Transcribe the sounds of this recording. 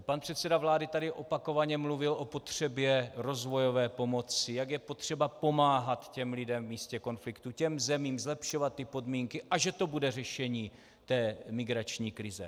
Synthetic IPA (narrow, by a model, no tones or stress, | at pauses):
panpr̥ɛt̪sɛdavlaːdɪt̪adɪʔo̞pako̞vaɲɛmluvɪlʔo̞po̞t̪r̝̥ɛbjɛɾo̞zvo̞jo̞vɛːpo̞mo̞t͡sɪjaɡjɛpo̞t̪r̝̥ɛbapo̞maːɦat̪cɛmlɪdɛmvmiːscɛko̞nflɪkt̪ucɛmzɛmiːmzlɛpʃo̞vat̪ːɪpo̞dmiːŋkɪʔaʒɛt̪o̞budɛr̝ɛʃɛɲiː | t̪ɛːmɪɡɾat͡ʃɲiːkɾɪzɛ̰